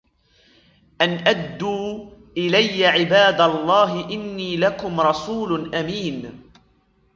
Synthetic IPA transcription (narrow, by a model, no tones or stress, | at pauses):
ʔanʔad̪ːuːʔɪlajːaʕɪbaːd̪alˤːɑːɦɪʔɪnːiːlakʊmɾˤɑsuːlʔamiːn